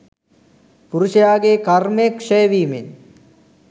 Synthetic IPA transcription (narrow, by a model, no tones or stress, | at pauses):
puɾuʂɐjaːɡeːkɐrmekʂejʋiːmen